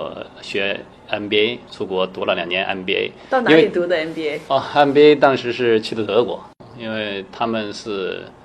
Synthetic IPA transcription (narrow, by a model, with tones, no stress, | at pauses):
ɕɥɛ˧˥ | a˥npi˧e˥ɪt͡sʰu˥˩kwɔ˧˥t̪u˧˥lə˧ljɑ˨˩ŋnjɛ˧˥nʔa̰˥npi˧ḛ˥ɪt̪ɑ˥˩ʊn˥we˥˩li˨˩t̪u˧˥d̪ə˧a˥npi˧˥e˥ɪə˥˧a˥npi˥e˥ɪt̪ɑ˥ŋʂɻ̩˧˥ʂɻ̩˥˩t͡ɕʰi˧˥t̪ə˥˩t̪ɤ˧˥kwɔ̰˨˩˦ | i˥nwe˥˩ɪt̪ʰa˥mə˨nʂɻ̩˥˩